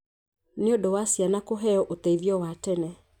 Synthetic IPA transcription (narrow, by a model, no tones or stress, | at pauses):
neondɔwasjanakoɦɛɔʔotɛiðjɔwatɛnɛ